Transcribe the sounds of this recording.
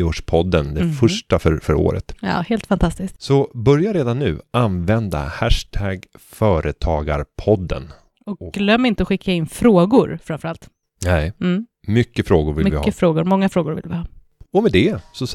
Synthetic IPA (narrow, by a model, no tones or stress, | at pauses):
oːʂpʰɔd̪ːənd̪ɛfɵʂʈafœɾfœɾo̰ːɾə̰t̪jɑ̰ːheːlt̪fant̪ʰast̪ɪsksɔbœɾjaɾeːd̪anːʉ̟̰ːʔanvɛnd̪a̰hæʂʈʰæɡfœːɾət̪ʰɑːɡa̰ɾpʰɔd̪ːə̰n | ɔk̚ɔɡlœmːɪnt̪əɔɧɪkʰːaɪnfɾoːɡʊɾfɾamfœɾalt̪ | nɛɪ | mʏkːəfɾoːɡʊɾvɪ̰lmvɪhːəfɾoːɡʊɾmɔŋːafɾoːɡʊɾvɪ̰lvɪhɑː | ɔmɛd̪ɛsɔ